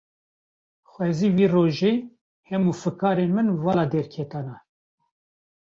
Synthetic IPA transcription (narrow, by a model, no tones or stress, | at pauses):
xwɛziːwiːroːʒeː | hɛmufɨkɑːɾeːnmɨnvɑlɑd̪ɛɾkʰɛt̪ɑːnɑ